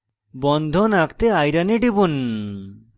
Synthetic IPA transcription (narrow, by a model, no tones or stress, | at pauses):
bɔnd̪ʱonakt̪eajɾaneɖibun